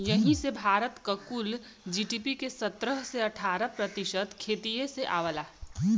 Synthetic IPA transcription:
jɐɦĩsebʱaːɾət̪kakul | d͡ʒiːʈiːpikesɐt̪ɾəɦseɐʈʰaːɾəpɾət̪ɪʃət̪kʰeːt̪ieseʔa̰ːʋəlaː

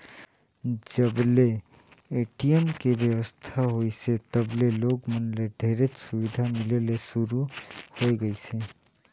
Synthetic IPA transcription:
d͡ʒəble | eːʈijəmkebjəwəst̪ʰaɦoiset̪əbleloːɡmənleɖʱeːɾet͡ʃsʊʋid̪ʱamɪlelesʊɾuhoiɡəise

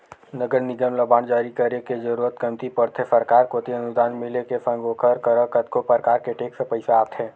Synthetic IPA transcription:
nəɡəɾnɪd͡ʒəmləbaːnd͡ʒaːɾikəɾeked͡ʒɐɾuːɾət̪̚kəmt̪ipəɾt̪ʰesəɾkaːɾkoːt̪iɐnʊd̪aːnmɪlekefʰə̃ŋɡoːkʰəɾkəɾəkət̪̚kopəɾkaːɾkeʈeːksepəɪsaaːpt̪ʰɦɛ̃ː

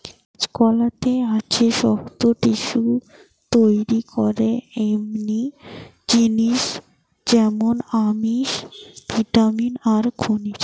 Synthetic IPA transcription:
skɔlat̪eat͡ɕʰeʃɔht̪oʈiʃu | t̪ojɾikʰɔɾeemni | d͡ʑiniʃ | d͡ʑɛmonamiʃpiʈaminaɾkʰoniɾ

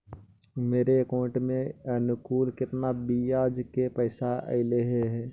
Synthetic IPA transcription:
meːɾeəkõːʈmẽənʊkuːlkɪt̪nabijaːd͡ʒkepəːɪsaʔə̰ɪleɦeɦɛː

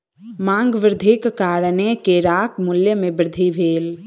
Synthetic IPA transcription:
mãːŋɡʋəɾd̪ʱikkaːɾnekeɾaːkmʊljəmẽbɾd̪ʱibʱeːl

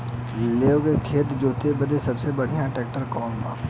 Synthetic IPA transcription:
leːokekʰeːt̪d͡ʒoːt̪ebɐd̪esɐbsebɐɽ̤ijãʈɛːk̚ʈəɾkɔːmba̰ː

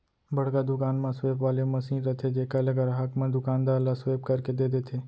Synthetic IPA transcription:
bəɽkad̪ʊkaːnmãsʋeːpʋaːlemɐsiːnɾət̪ʰed͡ʒeːkaləɡəɾɦɐkmãd̪ʊkãːnd̪aːlasʋeːb̚kəɾked̪eːd̪eːt̪ʰeː

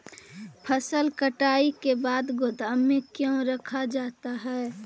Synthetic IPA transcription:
pʰəsəlkəʈaːikebaːd̪ɡʊd̪ʱamẽkjõɾɐkʰad͡ʒaːt̪aɦɛː

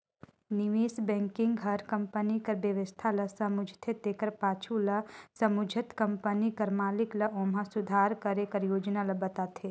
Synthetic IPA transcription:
niʋeːsbɛ̃ːŋkɪ̃ŋɡɡʱɐɾkɐmpənikɐɾbjɐʋəst̪ʰalɐsɐmʊd͡ʒʱt̪ʰet̪ekəɾpaːt͡ʃʰulɐsɐmʊd͡ʒʱət̪kɐmpənikɐɾmaːliklɐõːmãsʊd̪ʱaːɾkɐɾekɐɾjoːd͡ʒnalɐbɐt̪aːt̪ʰeː

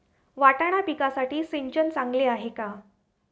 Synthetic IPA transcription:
ʋaʈaɽ̃apikasaʈiːseɲt͡ɕənt͡sãŋɡleaɦeka

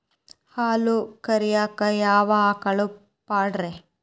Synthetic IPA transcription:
haːlukɐɾijaːkɐjaːʋaːkɐɭu | paːɽɾe

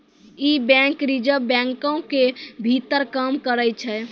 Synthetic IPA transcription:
ibɛ̃kɾid͡ʒəbɛ̃ŋkõkebʱit̪əɾkəmkəɾət͡ʃʰɛ

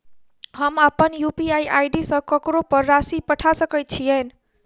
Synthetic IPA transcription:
həməpənjupiajʔajɖisʌ̃kʌkɾopəɾːasipəʈʰasəkəjt̪̚t͡ʃʰiəjn

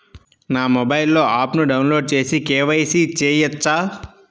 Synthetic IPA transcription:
naːmobɐjlːo̞ːʔaːpnuɖɐwnlo̞ːɖ̚t͡ʃe̞ːsikeːʋɐjsit͡ʃeːjɐt͡ʃːaː

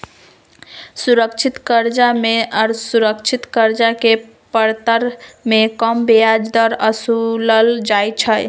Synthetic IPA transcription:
suɾəkt͡ʃʰit̪kəɾd͡ʒameəɾsuɾəkt͡ʃʰit̪kəɾd͡ʒake | pəɾt̪əɾmekəmbejad͡ʒd̪əɾəsuləld͡ʒajt͡ʃʰəj

